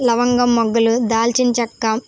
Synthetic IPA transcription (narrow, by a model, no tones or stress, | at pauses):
lɐʋɐŋɡɐmːɔɡːɐlud̪aːlt͡ʃint͡ʃɐkːɐ